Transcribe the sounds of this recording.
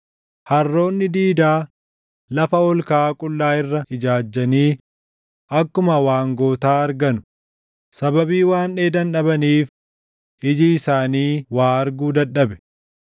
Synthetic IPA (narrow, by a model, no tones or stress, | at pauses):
hɐrːo̞ːnːɪd̪iːd̪aː | lɐfɐɔlkaːkʼʊlːaːɪrːɐɪd͡ʒaːd͡ʒːɐniː | ʔɐkːʊmɐwaːŋɡo̞ːt̪aːɐɾɡɐnʊ̥ | sɐbɐbiːwaːnᶑeːd̪ɐnᶑɐbɐniːf | ʔɪd͡ʒiɪsaːniːwaːɐɾɡuːd̪ɐᶑːɐbɛ̥